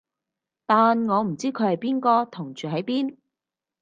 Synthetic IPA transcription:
t̪aː˨nŋɔː˨˧m̩˨˩t͡siː˥kʰɵ˨˧hɐ˨jpiː˥nkɔː˧t̪ʰʊ˨˩ŋt͡ʃyː˨ɦɐ˨˥jpiː˥n

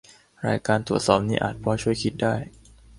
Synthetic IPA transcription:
ɾa̰ː˧jkaː˧nt̪ɾu˨˩ət̪̚sɔː˨˩p̚niː˦˥ʔa̰ː˨˩t̪̚pʰɔː˧˥t͡ɕʰu˥˩əjkʰi˦˥t̪̚daː˥˩j

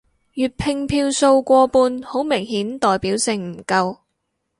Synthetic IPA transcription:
jyː˨t̚pʰɪ˧ŋpʰiː˧wso˧wkʷɔː˧puː˧nho˨˥wmɪ˨˩ŋhiː˨˥nt̪ɔː˨jpiː˨˥wsɪ˨ŋm̩˨˩kɐ˧w

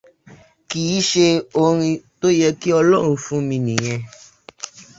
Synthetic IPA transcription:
ki˨i˨˦ʃe˧o˧ɾ̃ĩ˧t̪o˦jɛ˧ki˦ɔ˧lɔ˦ɾ̃ũ˧fũ˦mĩ˧nĩ˨j̃ɛ̃˧

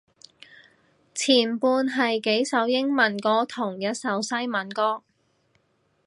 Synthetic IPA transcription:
t͡sʰiː˨˩npuː˧nɦɐ˨jke˨˥jsɐ˨˥wjɪ˥ŋmɐ˨˩nkɔː˧t̪ʰʊ˨˩ŋjɐ˨˧t̚sɐ˨˧wsɐ˥jmɐ˨˥nkɔː˥

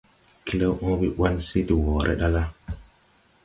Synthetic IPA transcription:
kʰi˦le˦wʔu˦bi˦ʔwa˦nsi˦ti˨wo˨ɾʔḛ˦ɗa˦la˦

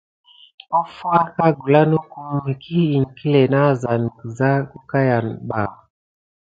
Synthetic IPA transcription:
ɔ˦fu˦a˦ka˦ɡu˨la˦nu˦ku˦m˦i˨kʰi˦i˨ŋ̩˨ki˦lɛ˨na˦˨za˨n˨za˦u˦ka˦ja˨nɓa˨

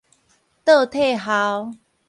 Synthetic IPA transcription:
t̪ɤ˥˧˨t̪ʰe˥˨ɦa˨˦w

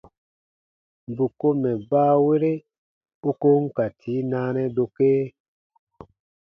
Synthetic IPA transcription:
bu˨ko˦mɛ˨baː˦we˦ɾe˦ | u˦ko˦ŋ˦ka˨tʰiː˨˦naː˦nɛ˦do˨keː˦

